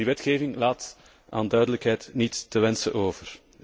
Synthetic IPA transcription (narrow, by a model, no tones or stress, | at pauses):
iʋɛtxeːvɪŋlaːt | a̰ːndœɥdələkɦɛjtnitːəʋɛnsə̰ʔoːvər